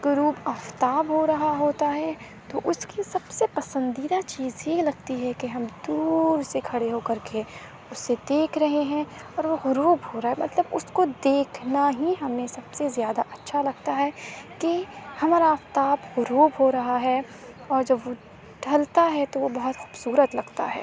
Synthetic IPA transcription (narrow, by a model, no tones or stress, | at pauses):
ɡʊɾuːpaːft̪aːbɦoɾɐɦaɦoːt̪aɦɛ | t̪oʔʊskisɐbsepɐsə̃nd̪iːd̪at͡ʃiːzjelɐɡ̚t̪iɦɛkeɦɐmd̪uːɾsekʰɐɽeɦokɐɾkʰe | ʊsːed̪eːkʰɾɐɦeɦɛ̃ɔːɾʋoɣʊɾuːbɦoːɾaːɦɛmɐt̪ləbʊskod̪eːkʰnaɦiɦɐmẽsɐbsezjaːd̪aʔɐtːʃʰalɐɡ̚t̪aɦɛkehɐmaːɾaːft̪aːpɣʊɾuːbɦoɾɐɦaɦɛ | ɔːɾd͡ʒɐbʋo | ɖʱɐlt̪aɦɛt̪oʋobɐɦʊt̪xu̥ːbsuːɾət̪lɐɡt̪a̰ɦɛ̰ː